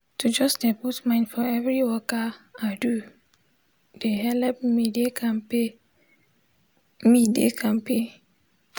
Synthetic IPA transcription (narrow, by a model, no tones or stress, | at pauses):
tʰud͡ʒɔsdɛputmãɪ̃ndfɔɛvɹiwɔkaadu | d̥eɦɛlɛp̚midekʰãnpe | midḛkʰãnpʰe